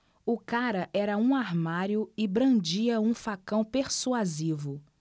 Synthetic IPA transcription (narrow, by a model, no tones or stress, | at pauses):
ʊkaɾɐʔɛɾɐũaɾmaɾjʊɪbɾɐ̃d͡ʒiɐũfakɐ̃w̃peɾsuazivʊ